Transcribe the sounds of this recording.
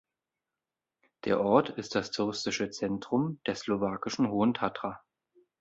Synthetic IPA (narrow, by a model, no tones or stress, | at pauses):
d̥ḛːɐʔɔɐtʰɪst̚d̥astʰʊʁɪstɪʃət͡sɛntʁ̥ʊmd̥eːɐslovaːkɪʃn̩ɦoːəntʰatʁ̥a